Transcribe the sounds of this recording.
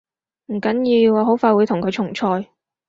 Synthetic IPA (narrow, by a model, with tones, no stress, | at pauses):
m̩˨˩kɐ˨˥njiː˧wɔː˧ɦo˨˥wfaː˧jwuː˨˧jt̪ʰʊ˨˩ŋkʰɵ˨˧ɥt͡ʃʰʊ˨˩ŋt͡ʃʰɔː˧j